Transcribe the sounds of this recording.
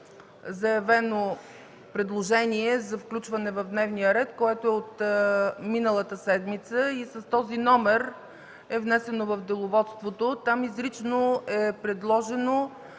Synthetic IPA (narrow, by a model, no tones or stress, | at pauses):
zɐjɐvɛno | pɾɛd̪lˠoʒɛniɛzɐfklʲut͡ʃvɐnɛvɐvd̪nɛvnijəɾɛt̪koɛt̪oɛot̪ | minəlˠət̪əsɛd̪mit̪səisɐst̪ɔzinɔmɛɾ | ɛvnɛsɛnovɐvd̪ɛlˠovɔt̪st̪vot̪ot̪amizɾit͡ʃnoɛpɾɛd̪lˠɔʒɛno